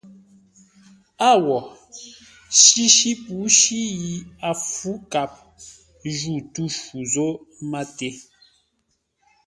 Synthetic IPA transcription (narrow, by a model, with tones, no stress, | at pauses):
a˦˨wɔ˨ | ʃi˦ʃi˦pu˨˦ʃi˦ji˨a˨fu˦ka˦˨p̚ | ʒu˦˨tu˦ʃu˨zo˦ma˦te˦